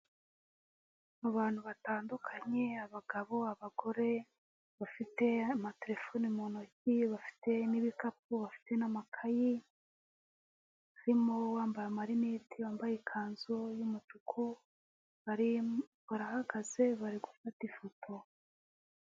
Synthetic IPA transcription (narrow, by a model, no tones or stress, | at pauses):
aβaːn̥huβataːndukʰaɲe̞aβaɡaβo̞aβaɡo̞ɾe̞ | βafite̞amate̞ɾe̞fonimonociβafi̥te̞niβikap̚uβafi̥te̞namakʰaji | aɾimo̞waːmbajamaɾinitʰiwaːmbajikʰaːnzojumut͡ʃukʰu | βaɾiβaɾahaɡaze̞βaɾiɡufatifotʰo̞